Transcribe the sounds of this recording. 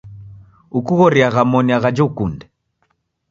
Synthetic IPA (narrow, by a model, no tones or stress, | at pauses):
ukuɣɔɾiaɣamɔniaɣad͡ʒɔukundɛ